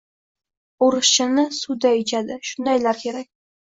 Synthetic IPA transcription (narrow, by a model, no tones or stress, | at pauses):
oɾɨʃʃɪnɪsʊd̪aɪt͡ʃʰad̪ɪʃʊnd̪ajlaɾkʲʰe̞ɾak̚ʲ